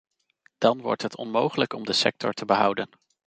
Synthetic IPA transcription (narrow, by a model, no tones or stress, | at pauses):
d̥ɑnʋɔ̰ɹtɦətʰɔnmowχələkɔmdəsɛk̚tɔ̰ɹtəbəɦʌ̰wdən